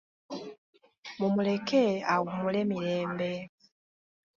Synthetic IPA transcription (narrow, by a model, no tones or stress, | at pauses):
mumule̞keawumule̞miɾeːmbe̞